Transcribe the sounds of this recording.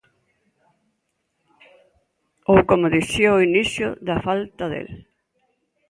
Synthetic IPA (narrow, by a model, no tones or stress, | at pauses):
owkomʊðisjoʊinisjʊ̰ðɐfalt̪ɐðḛl